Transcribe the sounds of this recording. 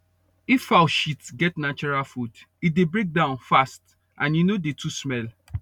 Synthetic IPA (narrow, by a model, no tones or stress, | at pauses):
ifawʃitsɡɛtnat͡ʃuɹalfud | it̚debɹek̚dãʊ̃nfast | ʔãnjunodetʰusmɛl